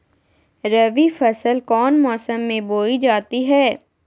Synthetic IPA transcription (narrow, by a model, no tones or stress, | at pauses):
ɾɐʋifɐsəlkɔːnmɔːsəmːẽboːid͡ʒaːt̪iɦɛː